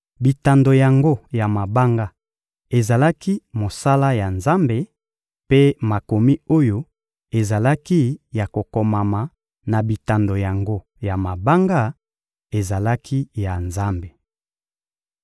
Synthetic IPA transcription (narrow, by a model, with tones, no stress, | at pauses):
bi˨ta˨ndo˨ja˨ŋɡo˦ja˨ma˨ba˦ŋɡa˦ | e˨za˨la˦ki˦mo˨sa˦la˦ja˨nza˦mbe˨ | pe˦ma˨ko˨mi˦o˦jo˦ | e˨za˨la˦ki˦ja˨ko˨ko˨ma˨ma˨ | na˨bi˨ta˨ndo˨ja˨ŋɡo˦ | ja˨ma˨ba˦ŋɡa˦ | e˨za˨la˦kʰi˦ja˨nza˦mbe˨